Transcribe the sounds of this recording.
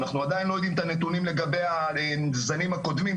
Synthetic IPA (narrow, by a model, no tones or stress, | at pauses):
naχnuad̪ajinlo̞jod̪imt̪anet̪unimle̞ɡabeja | nzanimhako̞d̪mim